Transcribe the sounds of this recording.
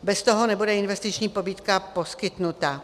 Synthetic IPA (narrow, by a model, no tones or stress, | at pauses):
bɛst̪oɦonɛbudɛɪnvɛst̪ɪt͡ʃɲiːpo̞biːt̪kapo̞skɪt̪nut̪a